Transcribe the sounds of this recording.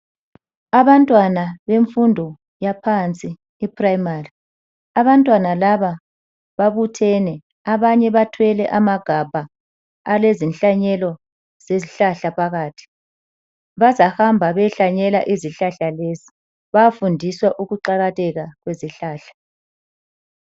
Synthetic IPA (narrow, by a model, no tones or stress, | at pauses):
aβantʼwanaβeɱfundʱɔ | japʰant͡sʼiː | pʰrajmari | aβantʼwanalaβa | βaβutʰɛnɛ | aβaɲɛβatʰwɛlɛʔamaɡ̥ʱab̥ʱaː | lezinɬaɲɛlɔ | z̥eziɬaɬapʰaɣaːtʰi̥ | βazahambʱaβɛɬaɲɛlaʔiziɬaɬalezi | βafundʱiswaʔuɣuǃaɣatʰʼɛɣaɣweziɬaːɬḁ